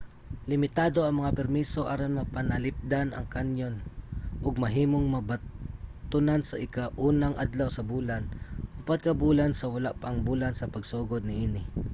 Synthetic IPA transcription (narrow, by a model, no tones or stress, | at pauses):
lɪmɪt̪aːd̪o̞ɐŋmɐŋapɛɾmiso̞ʔaːɾonmɐpɐnɐlɪp̚d̪anɐ̰ŋkanjonʔʊɡ̚mɐɦiːmoŋmɐbɐt̪ʊnansɐʔɪkaʔuːnɐŋʔad̪lawsɐbuːlanʊpad̪̚kɐbuːlansɐwɐlaʔpɐŋbuːlansɐpɐɡsoːɡod̪̚nɪʔiːnɪ